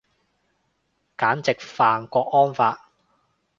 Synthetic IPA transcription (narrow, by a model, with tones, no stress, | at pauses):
kaː˨˥nt͡sɪ˨k̚faː˨ŋkʷɔː˧k̚ɔː˥nfaː˧t̚